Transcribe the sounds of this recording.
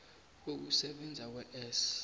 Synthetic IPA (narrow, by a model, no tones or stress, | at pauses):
k̬ok̬usɛɓɛnd͡zʱak̬wɛʔɛːs